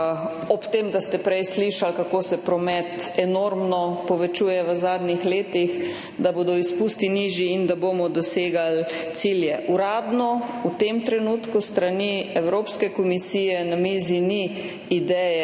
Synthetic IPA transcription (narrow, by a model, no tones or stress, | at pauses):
ɔpt̪eːmd̪ast̪ɛpɾɛjsliʃalkakoːsɛpɾɔmɛt̪ɛnoɾmnɔpɔʋɛt͡ʃuːjɛʋəzaːd̪nixleːt̪ix | d̪aboːd̪ɔispuːst̪iniʒjiind̪aboːmɔd̪ɔseːɡalt̪siljɛʔuɾaːd̪nɔut̪emt̪ɾɛnuːt̪kust̪ɾaniɛwɾoːpskɛkɔmisiːjɛnamiːzini | id̪ɛjɛ